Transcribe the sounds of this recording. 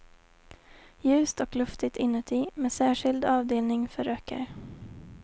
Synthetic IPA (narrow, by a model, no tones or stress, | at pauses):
jʉ̟ːst̪ɔklɵft̪ɪt̪ʰɪnːʉt̪ʰiːmeːsæːʂɪld̪ɑːvd̪eːlnɪŋfœɾøːkə̰ɾ